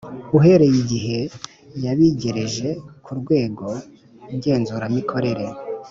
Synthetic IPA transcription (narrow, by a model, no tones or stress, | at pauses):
uɦe̞ɾe̞jiɟiɦe̞ | jaβiɟe̞ɾe̞ʒe̞kʰuɾɡwe̞ːɡo̞ | uɟe̞ːnzuːɾamikʰo̞ɾe̞ɾe̞